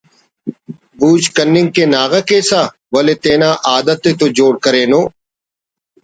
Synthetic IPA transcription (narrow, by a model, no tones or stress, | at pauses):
buːt͡ʃkənːɪ̃ŋɡ̚keːnaːɣəkeːsaː | ʋəleːt̪eːnãːʔaːd̪ət̪ːeːt̪od͡ʒoːɽkəɾeːnoː